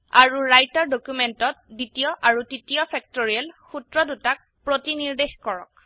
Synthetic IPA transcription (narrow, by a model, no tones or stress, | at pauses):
aɹuɹajtaɹdokumɛntɔt̚ditiɔʔaɹutitijɔpʰɛk̚toɹiɛlxutɹɔdutak̚ | pɹotiniɹdexkɔɹɔ̰k